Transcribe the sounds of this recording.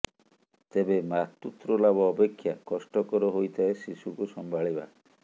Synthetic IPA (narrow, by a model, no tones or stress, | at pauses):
t̪ebemat̪ːut̪ɾɔlabɔːpekʰːjakɔsʈɔkɔɾɔɦojt̪ʰaesisukusɔmbʱaɭiba̰